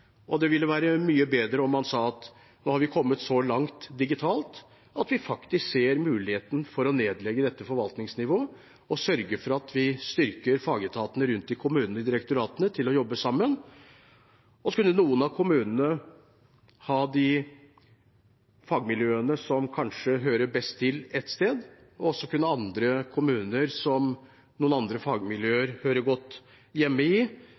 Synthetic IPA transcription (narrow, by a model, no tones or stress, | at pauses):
ɔd̪ɛʋɪlːəʋæːɾəmyːəbeːd̪ɾəɔmːɑnsɑːɑt̪ | noːhɑɾʋɪkʰɔmːət̪sɔlɑŋt̪d̪ɪɡɪt̪ʰɑːlt̪ | ɑt̪ʋɪfɑkt̪ɪskseːɾmʉːlɪheːt̪n̩fɔɾɔneːd̪lɛɡːəd̪ɛt̪ːəfɔɾʋɑlt̪nɪŋsnɪʋoː | ɔsœɾɡəfɔɾɑt̪ʰʋɪst̪ʏɾkəɾfɑːɡət̪ʰɑːt̪ənəɾʉnt̪ɪkʰʊmʉːnənəɪd̪ɪɾɛkt̪ʊɾɑːt̪ənət̪ʰɪlːɔjɔbːəsɑmːən | ɔkʉnːənuːənɑkʰʊmʉːnənə | hɑːd̪ɪ | fɑːɡmɪljøːənəsɔmkʰɑnʂəɦøːɾəbɛst̪ʰːɪlɛt̪st̪eːd̪ | ɔɔsːɔkʉnːəɑnd̪ɾəkʰʊmʉːnəɾsɔm | nuːənɑnd̪ɾəfɑːɡmɪljøːəɾhøːɾəɡɔt̪ː | jɛmːəɪ